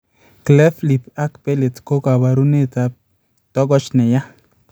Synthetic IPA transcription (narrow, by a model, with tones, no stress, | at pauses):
klɛ˦fli˨pa˦kpe˦le˨tko˦ka˨ba˨ɾu˦ne˦ta˨ | tɔ˦ɡɔ˦t͡ʃnɛ˨ja˦